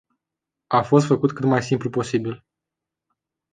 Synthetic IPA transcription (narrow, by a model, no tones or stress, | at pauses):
afo̞s̬t̪fəkut̪kɨt̪majsimplupo̞sibil